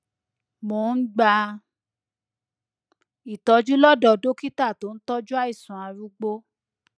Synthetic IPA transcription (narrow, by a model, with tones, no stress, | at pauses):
mo˨˦n̩˦ɡ͡ba˧ | i˨tɔ˧d͡ʒu˦lɔ˦dɔ˧˨do˦ki˦ta˦˨to˨˦n̩˦tɔ˦d͡ʒu˦a˦i˦˨sũ˨a˨˧ɾu˦ɡ͡bo˦